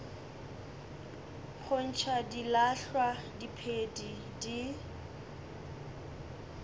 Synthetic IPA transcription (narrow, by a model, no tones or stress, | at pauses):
χʰʊn̩t͡ʃʰadilaɬwadipʰedi | di